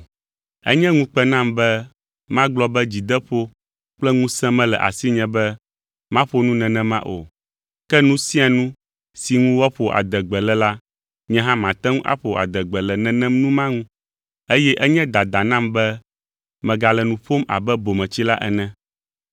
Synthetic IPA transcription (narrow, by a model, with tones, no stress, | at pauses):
ɛ̰˦ɲɛ̃˦ŋũ˦k͡pɛ˦nã˦mbɛ˦ | mã˦ɡ͡blɔ˦bɛ˦d͡ʑi˨d̪ɛ˦ɸo˦ | k͡plɛ˦ŋũ˦sɛ̃˦mɛ̃˦lɛ̰˨ʔa̰˨si˦ɲɛ̃˨bɛ˦ | mã˦ɸo˦nũ˦nɛ̃˨nɛ̃˦mã̰˦ʔo̰˨ | kɛ˦nũ˦sĩ˦a˨nũ˦ | si˨ŋũ˦wɔ˦ɸo˨ʔa̰˨d̪ɛ˨ɡ͡bɛ˨lɛ˨la˦ | ɲɛ̃˦ɦã˦mã˨t̪ɛ̃˦ŋũ˦ʔa̰˦ɸo˨a̰˨d̪ɛ˨ɡ͡bɛ˨lɛ˨nɛ̃˨nɛ̃˦mnũ˦mã˦ŋũ˦ | e˦jɛ˦ʔɛ˦ɲɛ̃˦d̪a˨d̪a˨nã˦mbɛ˦ | mɛ̃˨ɡa˨lɛ˨nũ˨ɸo˦ma̰˨bɛ˦bo˨mɛ̃˨t͡ɕi˦la˦ʔɛ̰˨nɛ̃˦